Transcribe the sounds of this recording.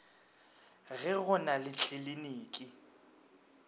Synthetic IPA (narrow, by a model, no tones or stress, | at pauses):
ɣɛɣʊnalɪt͡ɬʰeliniːkʼɪ